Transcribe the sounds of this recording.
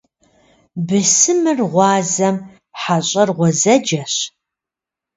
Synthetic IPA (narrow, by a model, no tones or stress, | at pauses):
bɨsɨmɨrʁʷɑːzɐm | ħaɕʼɐrʁʷɔzɐd͡ʒɐɕ